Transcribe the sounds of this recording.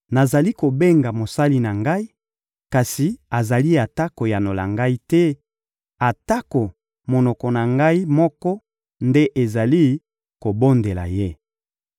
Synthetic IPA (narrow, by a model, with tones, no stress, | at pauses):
na˨za˨li˦ko˨be˦ŋɡa˨mo˨sa˦li˦na˨ŋɡa˦i˦ | ka˨si˨a˨za˨li˦a˨ta˦ko˨ja˨no˨la̰˨ŋɡa˦i˦tɛ˦ | a˨ta˦ko˨ | mo˨nɔ˨kɔ˨na˨ŋɡa˦i˦mɔ˦kɔ˦ | nde˦ʔe˨za˨li˦ | ko˨bo˦nde˨la̰˨je˦